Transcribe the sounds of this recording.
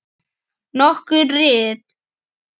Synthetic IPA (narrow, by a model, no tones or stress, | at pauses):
nɔhkʏɾrɪːt̪